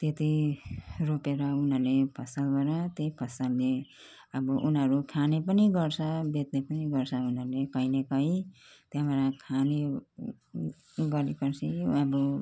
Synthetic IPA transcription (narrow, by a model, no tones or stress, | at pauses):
t̪et̪i | ropeɾʌunɦʌɾlepʰʌsʌlbʌɾʌt̪eipʰʌsalne | ʌbʌʔunʌɾukʰanepʌniɡʌrt͡sʰʌbet̪nepʌniɡʌɾt͡sʰʌunɦʌɾlekʌjnekʌĩt̪jãbʌɾãkʰane | ɡʌlikʌɾt͡sʰiʌbʌ